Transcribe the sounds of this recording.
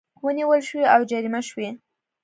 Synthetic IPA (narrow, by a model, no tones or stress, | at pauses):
wəniwəlʃwiawd͡ʒaɾimaʃwe